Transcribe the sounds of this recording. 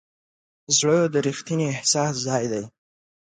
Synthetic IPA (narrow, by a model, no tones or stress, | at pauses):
zɽəd̪əɾixt̪iniːhsɑszɑjd̪aj